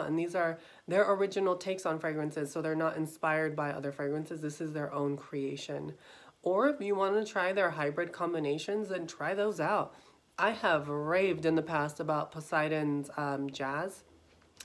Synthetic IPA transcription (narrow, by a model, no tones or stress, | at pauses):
ə̰̃nðizə˞ | ðə˞ʔə˞ɪd͡ʒɨnl̩ˠtʰeɪksn̩fɹeɪɡɹɨ̃nsɪz̥soʊðə˞nəɾɨ̃nspaɪə˞d̚baɪʔʌ̰ðə˞fɹeɪɡɹɨ̃nsɨzðɪsɨzðə˞ʔõʊ̃nkʰɹ̥ieɪʃɨ̰̃nʔə˞ɪfjɨwɑ̃ntɨtʰɹ̥aɪðə˞ɦaɪbɹɨd̚kʰɑ̃mbɨneɪʃɨ̃nzɨ̃ntʰɹ̥aɪðoʊzaʊt̚ | ʔaɪəvɹeɪvdɨ̃nðəpʰæstəbaʊt̚pʰəsaɪɾɨ̃nzd͡ʒæz̥